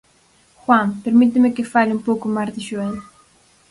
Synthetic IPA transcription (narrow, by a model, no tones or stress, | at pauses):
xwãmpeɾmit̪ɪmekɪfaʎũmpowkʊmaɾd̪ɪʃuen